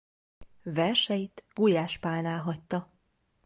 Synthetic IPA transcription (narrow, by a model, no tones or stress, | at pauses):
vɛrʃɛjit̪ɡujaːʃpaːnaːlɦɒct̪ːɒ